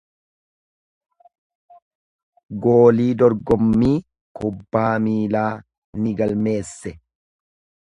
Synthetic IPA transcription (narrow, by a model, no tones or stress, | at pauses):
ɡo̞ːliːd̪ɔɾɡɔmːiː | kʊbːaːmiːlaː | nɪɡɐlme̞ːsːɛ